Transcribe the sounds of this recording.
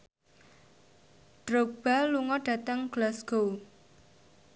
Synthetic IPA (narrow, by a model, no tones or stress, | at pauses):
ɖ̥ɾok̚b̥a̤luŋɔɖ̥ä̤t̪əŋɡ̥lasɡ̥o